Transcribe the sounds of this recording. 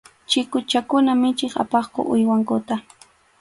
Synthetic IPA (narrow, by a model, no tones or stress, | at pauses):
t͡ʃɪkʊt͡ʃakʊnamɪt͡ʃɪχa̰pɑχkʊ̰ʔʊ̰jwaŋkʊt̪a